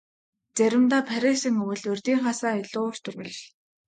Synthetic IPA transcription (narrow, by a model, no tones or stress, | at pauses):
t͡sæɾʲɪ̆mt̪aːpʰæɾʲesĭŋɵwɘ̆ɮɵrt̪iːŋχaːsaːeɮʊːr̥t̪ʰɵ̆rɣɘ̆ɮ̆ɮ